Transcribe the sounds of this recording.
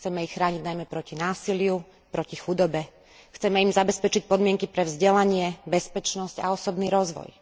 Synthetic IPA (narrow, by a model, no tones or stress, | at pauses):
t͡sɛmɛixxɾaːɲiɟnajmɛpɾɔcinaːsilɪu | pɾɔcixud̪ɔbɛ | xt͡sɛmɛimzabɛspɛt͡ʃic̚pɔd̪mɪɛŋkipɾɛvzɟɛlaɲɪɛbɛspɛt͡ʃnɔsca̰ɔsɔbniːɾɔzʋɔ̰j